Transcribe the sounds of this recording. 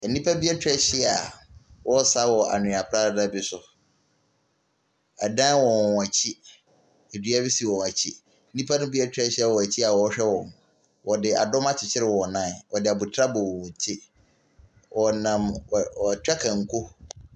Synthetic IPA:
nĩ˦pʰa˦bi˦a˦tʰᶣɛ˦ɕɪ˦a˨wʔɔ˦sa˦wɔ˨a̰˨nʊ̃˨a˨pʰɾa˦a˨dã˦bɪ˦sʊ˨ | a˨dã˦wɔ̃˨a˨t͡ɕʰi˦ | e˨dɥa˦bi˦si˨wɔ˨wa˨t͡ɕʰi˦ | nĩ˦pʰa˦nʊ̃˦bi˦ɛ˦tʰᶣɾɛ˦ɕɪ˦a˨wɔ˨æ˨t͡ɕʰi˦a˨wɔ˨˦ɕᶣɛ˦wɔ̃˨m˨ | wɔ˨dɪ˨ʔa̰˨dɔ̃˦ma˦t͡ɕʰɪ˨t͡ɕʰɪ˦ɾɪ˦wɔ˨nãː˦˨wɔ˨dɪ˨a˨bu˨tʰɾa˦bɔ˨wɔ˨w̃tʰi˦ | wɔ˨nã˨m˨ɔ˨tᶣa˦kʰã˨ŋ̩˨kʰo˦

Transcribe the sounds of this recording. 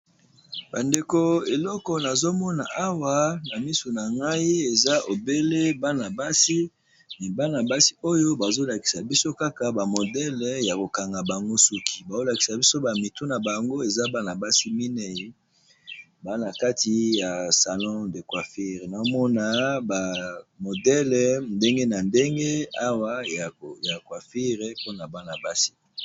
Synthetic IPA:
ba˨nde˨ko˨e˨lɔ˦kɔ˨na˨zo˦mɔ˦na˨ʔa˦wa˦na˨mi˦so˨na˨ŋɡa˦i˦e˨za˦ʔo˨be˦le˦ba˦na˨ba˦si˦ | ni˨ba˦na˨ba˦si̥˦o˦jo˦ba˨zo˦la˨ki̥˨sa˨bi˦so˦ka˦ka˨ba˨mo˨dɛ˦lja˨ko˨ka˨ŋɡa˨ba˨ŋɡo˦su˦kʰi̥˨ba˨zo˦la˨ki̥˨sa˨bi˦so˦ba˨mi˨tu˦na˨ba˨ŋɡo˦e˨za˦ba˦na˨ba˦si˦mi˦nɛ˨i˦ | ba˦na˨ka˦ti˨ja˨sa˨lɔ̃˦de˨kwa˨fi˦ʁe˨na˨o˦mɔ˦na˨ba˨mo˨dɛ˦lɛ˨nde˦ŋɡe˦na˨nde˦ŋɡe˦a˦wa˦˨ja˨kwa˨fi˦ʁe˨po˦na˨ba˦na˨ba˦si̥˦

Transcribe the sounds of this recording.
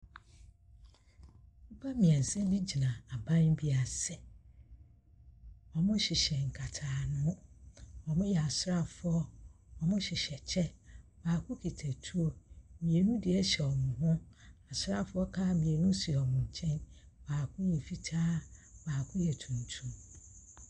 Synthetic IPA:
m̩˦pʰa˦mĩ˨ɛ̃˨n̩˨sɛ̃˦nĩ˦d͡ʑi˨nã˨a˨bã˦nbi˦a˨sɛ˨ | ɔ˨mʊ̃˦ɕɪ˨ɕɛ˨ŋ̩˨kʰa˨tʰaː˨nʊ̃˦ɔ˨mʊ̃˦jɛ˨a˨sʊ˦ɾa˦˨fʊ˦ɔ˦ɔ˨mʊ̃˦ɕɪ˨ɕɛ˨t͡ɕʰɛ˦baː˨kʰʊ̃˦kʰi˨tʰa˨tʰu˦o˦mĩ˨e˨nũ˦dɪ˨ɛ˦ɕɛ˨ɔ˨mʊ̃˨ɦʊ̃˦a˨sʊ˦ɾa˦fʊ˦ɔ˦kʰaː˦mĩ˨e˨nũ˦si˨ɔ˨mʊ̃˨ɲ̩˨t͡ɕʰɛ̃˦n | baː˨kʰʊ̃˦jɛ˨fi˨tʰaː˦baː˨kʰʊ̃˦jɛ˨tʰũ˨n˨tʰũ˦m

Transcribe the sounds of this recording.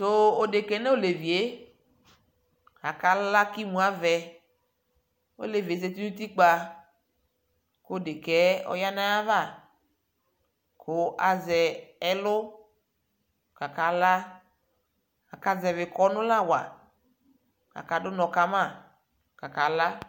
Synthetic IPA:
so˦o˨de˨kɛ˨˦nɛ˦o˦˨le˨vi˨e˦ | a˨ka˨lla˦ki˦mũ˨a˦vɛ˨ | o̰˦le˨vi˨e˨˦ze˦t̪i˦ũ˦t̪i˦k͡pa˨ | ko˦o˦˨de˨kɛ˦ɔ̰˦ja˦na˦a˦va˦˨ | kʊ˦ʔa˨zɛ˨ɛ˦lʊ˦ | ka˨ka˨la˦ | a˨ka˨zɛ˨vɪ˨kɔ˦nʊ̃˦la˦˨wa˨ | a̰˨ka˨dʊ˦nɔ˨ka˦ma˦˨ | ka˨ka˨la˦

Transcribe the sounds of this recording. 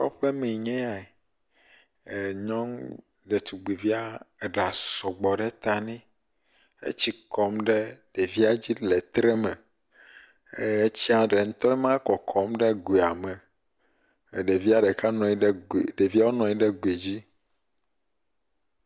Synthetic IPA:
o̰˦ɸɛ˦mẽ˨ɲɛ̃˦a˨ɛ˨ | ɲɔ̃˦ŋ | ɖɛ˨t̪u˨ɡ͡be˨vi˦a˦˨ɖa˨sɔ˨ɡ͡bɔ˨ɖɛ˦t̪a˨nĩ˦ | ḛ˦t͡ɕi˦kɔ˦mɖɛ˦ɖ̥e˨vi˦a˦d͡ʑi˦lɛ˨t̪ɾɛ˦mɛ̃˨ | e˦t͡ɕi˦a˨ɖɛ˨ŋ̩˦t̪ɔ˦ɛ˦mã˦kɔ˨kʰɔ˨˦mɖɛ˦ɡe˨a˨mɛ˨ | ɖe˨vi˦a˦ɖɛ˨ka˦nɔ̃˨i˦ɖɖe˨vi˦a˦wo˦nɔ̃˨i˦ɖɛ˦ɡe˨d͡ʑi˦

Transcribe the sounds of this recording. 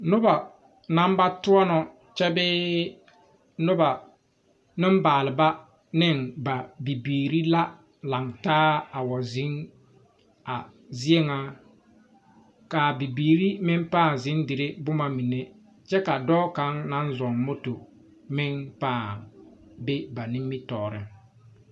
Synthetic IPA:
nʊ˦ba˨ | na˦mba˦tʊ˦ɔ˦nɔ˨ | t͡ʃɛ˦bɪː˦ | nʊ˦ba˨ | nɪ˦m˦baː˨lɪ˨ba˦ | nɪ˦˨nba˨bi˨biː˨ɾi˦la˦ | la˨ŋtaː˦a˨wɔ˨zɪ˨˦ŋ | a˨ | zi˦e˦ŋa˦ | kaː˨bi˨biː˨ɾi˦mɪ˦ŋpaː˦˨ŋzɪ˨˦ndɪ˨ɾe˦bʊ˦ma˦mi˨ne˦ | t͡ʃɛ˦ka˨dɔː˦ka˦ŋna˨˦nzɔ˨ŋmʊ˦tʊ˨ | mɪ˦ŋpaː˦˨ŋ | be˦ba˨nɪ˦mːɪ˦tɔː˨ɾɪ̰˦

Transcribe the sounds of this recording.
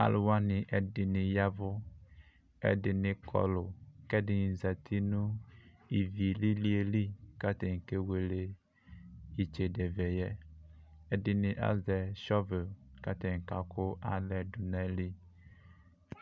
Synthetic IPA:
a̰˨˦lʊ˨wa˦nɪ̃˨ʔɛ˦dɪ˨nɪ̃˨ja˦vʊ˦ | ɛ̰˦dɪ˨nɪ̃˨kʰɔ̰˨lʊ˨kɛ˦dɪ˨ɲi˨za˨t̪ʰi˦nũ˦ | i˨vi˨li˦li˦e˨li˦ka˦t̪ɛ˨ŋ̩˨ke˦we˨le˦ | i˨t͡ʃe˨dɛ˨vɛ˨jɛ˦ | ɛ˦dɪ˨nɪ̃˨ʔa̰˦zɛ˨ʃɔ˦vɪ˨ka˦t̪ɛ˨ŋ̩˨ka˨kʰʊ˦a̰˦lɛ˨dʊ˨nɛ̃˦li˦

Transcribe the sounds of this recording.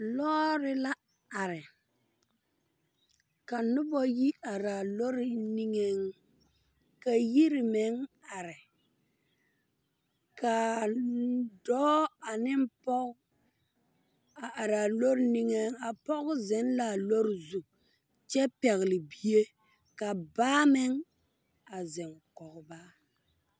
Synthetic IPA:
lɔ˦ɾɪ˦la˦ | a˨ɾɪ˨ | ka˨nʊ˦bɔ˦ji˦a˨ɾaː˨lo˦ɾɪ˦ni˦ŋe˦ŋ | ka˨ji˦ɾɪ˨me˨˦ŋa˨ɾɪ˨ | ka˨ | dɔː˦a˨nɪ˦m˦pɔ˦ʔʊ˦ | a˨ʔa˨ɾa˨lo˦ɾɪ˦ni˦ŋe˦ŋa˨pɔ˦ɣʊ˦zɛ˨˦n˦la˨lo˦ɾɪ˨zu˨ | t͡ʃɛ˦pɛ˨ɣɪ˨lɪ˨bi˦e˦ | ka˨baː˦mɪ˦ŋ | a˨zɛ˨ŋkɔ˨ɣʊ˨ba˦

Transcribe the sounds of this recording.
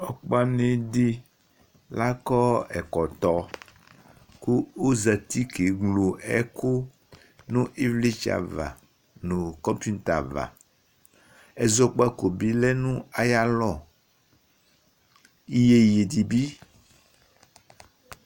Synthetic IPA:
ɔ˨k͡pa˦nẽ˦ɖi˦ | la˦kɔ˦ɛ̰˨kɔ˨t̪ɔ˦ | ku˦o˦za˨t̪i˦ke˨ɡlo˨ɛ˦ko˦ | nũ˦ʔi˦vli˦t͡ʃa̰˨va̰˨ | nũ˨kɔ̃˦mpu˦n˦t̪a˨va̰˨ | ɛ˨zɔ˦k͡pa˦ko˨bi˦lɛ˦nũ˦a˨ja˦lɔ˨ | i˦je˦je˨di˨bi˦

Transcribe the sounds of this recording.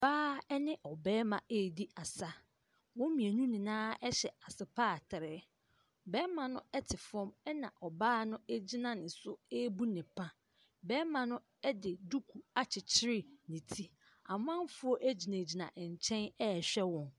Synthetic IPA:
baː˦ɛ˦nɪ̃˦ʔɔ˨bɛː˦mã˨ʔe˦˨di˦a˨sa˦ | wɔ̃˦mĩ˨e˨nũ˦nɪ̃˨nãː˦ɛ˦ɕɛ˨a˨sɪ˨pʰaː˦˨tʰɪ˨ɾɪ˨˦˨ | bɛː˦mã˨nʊ̃˦ɛ˦tʰɪ˨fɔ̃˦mɛ˦nã˨ʔɔ˨baː˦nʊ̃˦e˦d͡ʑi˦nã˨nɪ̃˨sʊ˦e˦bu˦nɪ̃˨pʰã˦ | bɛː˦mã˨nʊ̃˦ | ɛ˦dɪ˨du˦kʰu˨a˨t͡ɕʰɪ˨t͡ɕʰɪ˦ɾɪ˦nĩ˨tʰi˦ | a˨m˦ã˦n˦fʊ˦ɔ˦ʔæ˦d͡ʑi˨nẽ˨d͡ʑi˨nã̰˨ʔɲ̩˨t͡ɕʰɛ̃˦nɛ˦˨ɕᶣɛ˦wɔ̃˨n

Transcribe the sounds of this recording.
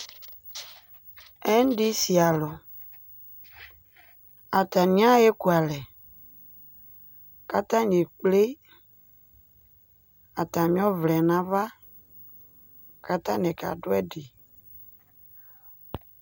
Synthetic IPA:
ɛ˦n˦ɖi˦si˨a˨lɔ˨ | a˨t̪a˨nĩ˦ã˦je˦ku˨a˨lɛ˨ | ka˦t̪ã˦ɲe˨k͡ple˦ | a˨t̪a˨mĩ˦ɔ̃˦vlɛ˨nã˦va˦ | ka˦t̪ã˦nɛ˨ka̰˨ɖo˦ɛ˦ɖe˨

